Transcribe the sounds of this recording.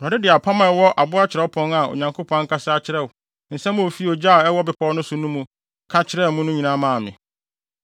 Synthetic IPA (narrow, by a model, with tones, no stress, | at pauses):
m˨a˨ɪ˦dɪ˨a˨pʰa˦mã˨ɛ˦wɔ˦ʔa˨bʊ˦a˦t͡ɕʰɪ˨ɾɛ˦pʰɔ̃˦na˨o̰˨ɲã˨ŋkʰo˦pʰɔ̃˨˦ŋ̩˦kʰa˦sɪ˦a˨t͡ɕʰɪ˦ɾɛ˦˨ʊ˨ | n̩˨sɛ˦m̃˦o˨fi˦o˨d͡ʑa˦˨ɛ˦wɔ˦bɪ˨pʰɔ˦nʊ̃˦sʊ̃˨nũ˦mũ˨ | kʰa˦t͡ɕʰɪ˦ɾɛ˦˨mũ˦nʊ̃˦ɲĩ˨nã˦mãː˦˨mɪ̰̃˨